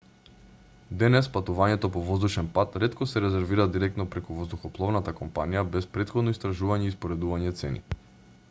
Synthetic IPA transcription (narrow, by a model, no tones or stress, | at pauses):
d̪ɛnɛspat̪uvaɲɛt̪ɔpɔvɔzd̪uʃɛnpat̪ɾɛt̪kɔsɛɾɛzɛɾviɾad̪iɾɛk̚t̪nɔpɾɛkuvɔzd̪uxɔplˠɔvnat̪akɔmpanijabɛspɾɛt̪xɔd̪nɔist̪ɾaʒuvaɲɛispoɾɛd̪uvaɲɛt̪sɛ̰nḭ